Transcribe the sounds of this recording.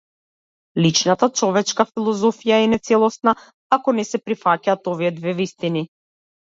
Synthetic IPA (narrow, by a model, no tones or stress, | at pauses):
lit͡ʃnat̪at͡ʃɔvɛt͡ʃkafilˠɔzɔfijaɛnɛt̪sɛlˠɔsna | akɔnɛsɛpɾifacaːt̪ɔvijɛd̪vɛvist̪ini